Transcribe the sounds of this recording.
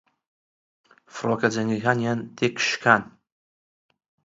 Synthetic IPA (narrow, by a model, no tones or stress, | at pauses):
frokad͡ʒaniɣʲanjandʰekʃkʰan